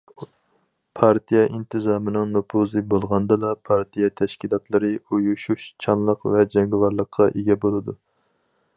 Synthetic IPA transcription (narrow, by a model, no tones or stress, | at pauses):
pʰɑɾt̪ʰijɛʔint̪ʰɨzɑːmɨnɨŋnopʰuzɨbolˠʁɑnd̪ɑlɑpʰɑɾt̪ʰijɛt̪ʰɛʃkʲilˠɑt̪lˠɨɾɨujuʃuʃt͡ʃʰɑnlˠəqvɛd͡ʒɛŋɡwɑɾlˠəqʰːɑʔeɡʲɛbolˠɨd̪u